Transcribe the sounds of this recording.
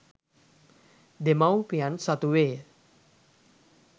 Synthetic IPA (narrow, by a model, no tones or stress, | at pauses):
d̪emawpijansat̪uʋeː